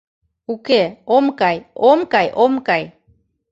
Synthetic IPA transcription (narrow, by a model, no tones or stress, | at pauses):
ukeomkajomkajʔomkaj